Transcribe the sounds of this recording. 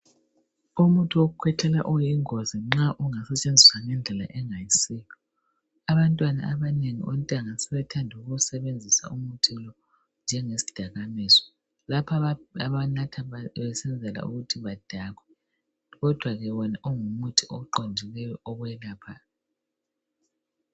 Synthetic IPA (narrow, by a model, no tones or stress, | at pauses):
umutʰioɣukʰwɛtʰɛla̰ʔɔjiŋoziŋ͡ǁaʔuŋasɛt͡ʃʼend͡zʱiswaŋɛnd͡ɮʱɛla̰ʔɛŋajisijɔ | aβantʼwana̰aβaneŋḭɔ̰ntʼaŋasɛβɛtʰandʱuɣusɛβend͡zʱisa̰umutʰɛlɔ | nd͡ʒʱɛŋesi̥d̥ʱaɣamɛːzɔ̥ | lapʰaβanatʰaβɛsɛnd͡zʱɛla̰ṵɣutʰiβad̥ʱaɣwɛ | ɣɔd̥ʱwaɣɛβɔnaʔɔŋumutʰiʔɔǃond͡ʒʱilɛjɔʔɔβwɛlaːpʰaːl